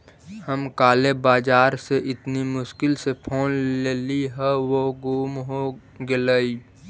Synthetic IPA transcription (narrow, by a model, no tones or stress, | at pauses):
həmkaːlebaːd͡ʒaːɾseʔɪt̪nimʊʃkɪlsepʰoːnleːliɦɛʋoɡuːmɦo | ɡeləi